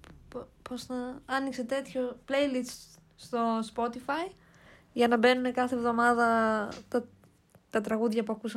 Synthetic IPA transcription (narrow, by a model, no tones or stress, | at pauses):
ppo̞znɐɐnikse̞t̪e̞t̪ço̞ple̞jlis | st̪o̞spo̞t̪ifɐj | ʝɐnɐbe̞nune̞kɐθevðo̞mɐðɐt̪ɐ | t̪ɐt̪ɾɐɣuðʝɐpuɐkusɐ